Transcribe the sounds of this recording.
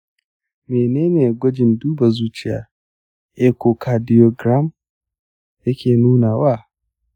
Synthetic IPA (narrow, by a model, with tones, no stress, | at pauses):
meː˨neː˦neː˨ɡʷɐ˦d͡ʒɪ˨nduː˦ba˨zuː˦t͡ʃɪ˦ja̰ː˨˦ | ʔe˦kʷo˨kʰa˨dɪ˦jo˦ɡɾa˦m | jɐ˦kʲeː˨nuː˦naː˨waː˦˨